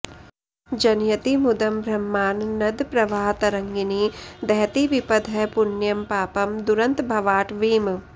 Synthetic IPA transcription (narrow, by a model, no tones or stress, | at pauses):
d͡ʒɐnjɐt̪imud̪ɐmbʱɾɐmːaːnːɐd̪pɾɐʋaːɦɐt̪ɐɾɐŋɡinid̪ɐɦɐt̪iʋipɐd̪ʱɐpunjɐmpaːpɐmd̪uɾɐnt̪bʱɐʋaːʈʋiːm